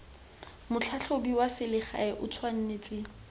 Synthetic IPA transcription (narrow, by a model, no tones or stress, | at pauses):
mʊt͡ɬʰaɬʰobiwasɪlɪχa̰ɪʔʊt͡sʰwan̩net͡sʼɪ